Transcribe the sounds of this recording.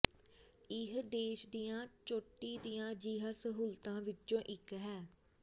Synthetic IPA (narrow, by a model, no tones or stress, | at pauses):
ɪɦd̪eːʃd̪ijãːt͡ʃoːʈːiːd̪ijãːd͡ʒiːɦasəɦuːlt̪ãːʋɪt͡ʃːõːʔɪkɦɛː